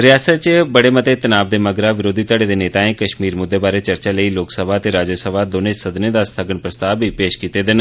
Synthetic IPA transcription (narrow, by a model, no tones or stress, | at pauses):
ɾɪjaːsət̪t͡ʃbəɽeːmət̪eːt̪ənaːbd̪eːməɡɾaːʋɪɾoːd̪ʱiːt̪əɽeːd̪eːneːt̪aːẽːkəʃmiːɾmʊd̪ʱːeːbaːɾeːt͡ʃəɾt͡ʃaːləiːloːksəbʱaːt̪eːɾaːd͡ʒəsəbʱaːd̪oːneːsəd̪neːd̪aːst̪ʰəɡəɳpɾəst̪aːʋbʱiːpeːʃkiːt̪eːd̪ɪn